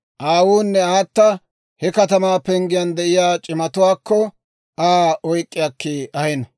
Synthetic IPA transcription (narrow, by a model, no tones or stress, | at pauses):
ʔaːwuːnːɛaːt̪ːɐ | hɛkɐt̪ɐmaːpɛŋɡɪjɐnd̪ɛʔɪjaːt͡ʃʼɪmɐt̪ʊwaːkʰːɔ | aːɔjkʼːɪjɐkːeːɐhɛnɐ